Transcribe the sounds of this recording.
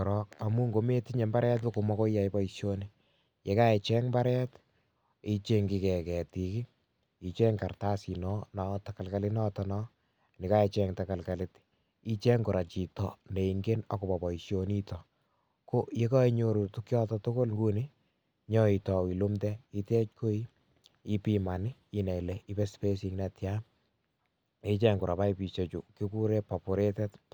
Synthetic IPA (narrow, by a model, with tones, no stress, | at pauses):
ɾɔka˨mu˦ŋɡo˨me˦ti˦ɲe˨mba˦ɾɛ˦t̬lo˦ko˨mɔ˦ko˦ja˨jbɔ˦iʃjo˦ni | je˨˦ka˦e˨t͡ʃɛ˦ŋmba˦ɾɛ˦t | i˦t͡ʃe˦ŋɡi˨kɛ˨kɛ˨ti˨ki˦ | i˨t͡ʃɛ˦ŋka˨rta˦si˨nɔ˦nɔ˨taka˨lka˨lɪ˦nɔ˦tɔnɔ˦ | nɪ˨ka˦e˨t͡ʃɛ˦ŋta˨ka˨lka˨lɪ˦t | i˦t͡ʃe˦ŋɡo˨ɾa˨t͡ʃi˨tɔ̰˨ne˨i˨ŋɡe˦na˦kɔ˨pa˨bɔ˨iʃjo˨ni˦tɔ˨ | ko˦je˦kɔ˦i˦ɲo˨ɾu˨tu˦kjɔ˦tɔ˦tʊ˦ko˦lŋɡu˦nɪ˦ | ɲɔ˦i˨tɔ˨wi˨lo˦mtɛ˦i˦tɛ˦t͡ʃko˦i˦ | i˦pi˦ma˨nɪi˦nɛ˨le˨i˦bɛ˦spe˦sɪŋna˨tja | e˦t͡ʃɛ˦ŋɡʊ˨ɾa˨pa˦ipi˨t͡ʃe˨t͡ʃu˨ki˦ku˦ɾe˦pa˨pʊ˨ɾe˦tɛ˦tp